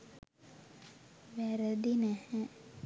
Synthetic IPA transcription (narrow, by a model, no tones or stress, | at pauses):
ʋæɾəd̪inæhɛ